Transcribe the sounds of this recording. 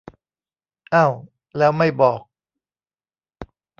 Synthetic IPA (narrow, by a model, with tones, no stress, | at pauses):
ʔa˥˩w | lɛː˦˥wma˥˩jbɔː˨˩k̚